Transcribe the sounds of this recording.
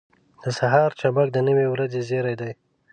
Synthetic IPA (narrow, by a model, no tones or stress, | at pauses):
d̪̥əsaɦɑɾt͡ʃabak̚d̪ənəwewɾad͡zezeɾajd̪aj